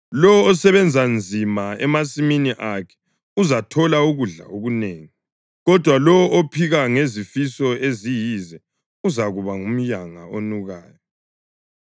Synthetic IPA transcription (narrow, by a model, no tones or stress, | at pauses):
lɔwɔːsɛβɛnd͡zʱand͡zʱimaɛmasiminiʔakʰɛ̥ | uzatʰɔlauɣuɮa̰oɣuneːŋi | ɣɔd̥ʱwalɔwɔʔopʰiɣaŋezifisɔezijizɛ | uzaɣuβaŋum̩jaŋa̰onuɣaːjɔ